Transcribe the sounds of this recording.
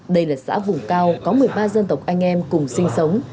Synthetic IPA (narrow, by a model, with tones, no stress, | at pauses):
ɗə˧jlaː˨˩sa̰ː˧˥vʊ˨˩ŋ͡mkaː˧wkɔ˨˦mɨ˨˩əjɓaː˧zə˧nt̪ə˨˩wk͡p̚ʔa˧jŋ̟ʔɛ˧mkʊ˨˩ŋ͡msï˧ŋ̟sə˨˦wŋ͡m